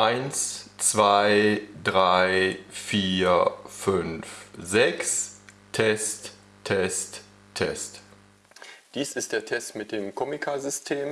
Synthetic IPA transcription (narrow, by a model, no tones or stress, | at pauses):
ʔaɪnst͡sv̥aɪdʁaɪfiːɐfʏnfzɛks | tʰːɛst | tʰːɛst | tʰːɛ̰st | d̥iːsɪst̚d̥eːɐtʰɛstmɪt̚d̥eːmkʰɔmɪkʰazʏstʰeːm